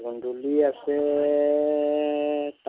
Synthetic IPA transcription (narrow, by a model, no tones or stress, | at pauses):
kunduliasɛ | t